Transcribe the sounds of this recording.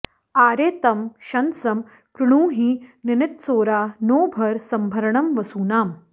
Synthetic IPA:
aːɾeːt̪ɐmɕɐnsɐm | kɾuɳ̃ũːɦiːnɪnɪt̪soːɾaːnoːbʱɐɾsɐmbʱɐɾɳɐmʋɐsuːnaːm

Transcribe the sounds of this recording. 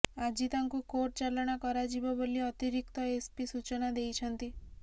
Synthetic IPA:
ad͡ʒit̪ãŋkukoɾ̚t͡ʃalɳ̃akɔɾad͡ʒibɔbəlːiɔt̪iɾikt̪ɔespisut͡ʃnad̪ejt͡ʃʰənt̪i

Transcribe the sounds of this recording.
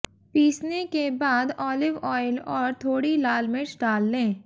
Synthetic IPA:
piːsnekebaːd̪ɔːlɪʋɔːɪlɔːɾt̪ʰoːɽilaːlmɪt͡ʃɖaːlːẽː

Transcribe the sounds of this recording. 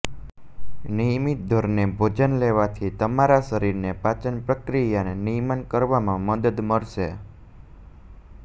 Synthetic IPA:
nijmit̪̚d̪ʱoɾnebʱod͡ʒənleʋat̪ʰit̪əmaɾaʃəɾiɾnepat͡ʃənpɾəkɾijanenijmankəɾʋamãməd̪əd̪məɾʃe

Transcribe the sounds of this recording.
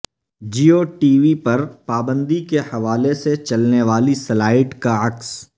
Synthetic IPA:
d͡ʒiːoːʈiːʋipɐɾpaːbə̃nd̪ikehɐʋaːleset͡ʃɐlneʋaːlisɐlaːɪʈkaɐks

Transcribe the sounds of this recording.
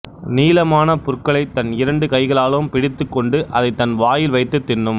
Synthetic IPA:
niːlɐmaːnɐpʊrkɐɭɐɪt̪ːɐnɪɾɐɳɖɯkɐɪɣɐɭaːlɐʋɯmpɪɽɪt̪ːɯkːɔɳɖɯʔɐðɐɪt̪ːɐnʋaːjɪlʋɐɪt̪ːɯt̪ːɪnːɯm

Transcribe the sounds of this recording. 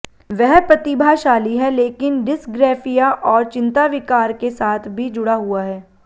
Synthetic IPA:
ʋɛɦpɾɐt̪ɪbʱaʃaːliɦɛleːkɪnɖɪsɡɾɛːfijaʔɔːɾt͡ʃɪ̃nt̪aʋɪkaːɾkesaːt̪ʰbʱid͡ʒʊɽaɦʊaɦɛː

